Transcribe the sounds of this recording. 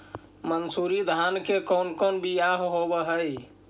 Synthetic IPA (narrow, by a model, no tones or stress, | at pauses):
mənsuɾid̪ʱankekɔnkɔnbijaɦɦobəɦəj